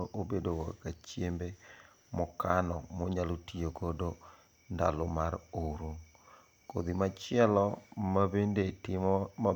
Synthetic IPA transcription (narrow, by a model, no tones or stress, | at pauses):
ʔobedowakat͡ʃjembe | mɔkanɔmɔɲalotijoɡodo | nda̰lɔmaɾoɾo | ko̰d̪imat͡ʃɪɛlɔmabendetɪmɔa